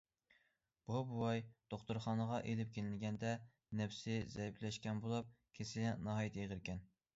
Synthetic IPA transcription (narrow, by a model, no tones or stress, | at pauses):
b̥ubuwɑjd̪̥oχt̪uɾχɑnəʁɑʔelɪp̚kʲelɪnɡʲɛnd̪ɛ | nɛfsɪzɛjipʰlɛʃkʲɛnbolˠɑp̚kʲʰesɪnɑɦɑjit̪ʰjeʁəɾkʲɛn